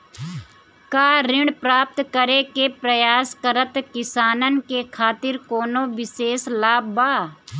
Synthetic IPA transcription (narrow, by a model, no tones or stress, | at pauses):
kaːɾɪɳpɾaːp̚t̪kəɾekepɾəjaːskəɾət̪kɪsaːnənkekʰaːt̪ɪɾkoːnoʋɪʃeːslaːbbaː